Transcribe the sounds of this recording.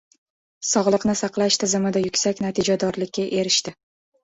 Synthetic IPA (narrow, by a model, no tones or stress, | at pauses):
sɒʁlˠɨqnɪsɑqlˠaʃt̪ʰɪzɪmɪd̪ajʊkʲsakʲnat̪ʰɪd͡ʒad̪ɒɾlɪkʲːaʔe̞ɾɪʃt̪ɪ